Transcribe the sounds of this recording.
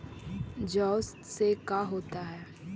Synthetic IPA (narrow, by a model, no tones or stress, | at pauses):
d͡ʒɔːst̪sekaɦoːt̪aɦɛː